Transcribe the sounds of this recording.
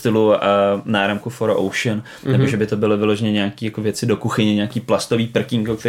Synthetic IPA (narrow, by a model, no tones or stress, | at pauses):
t̪ɪluanaːɾamkufoɾoʔo̰wʃən | nɛboʒɛbɪt̪obɪlɪvɪloʒɛɲɛɲɛakiːjakovjɛt͡sɪdo̞kuxɪɲɛɲɛakiːplast̪oviːpr̩kɪŋkokt̪ɛ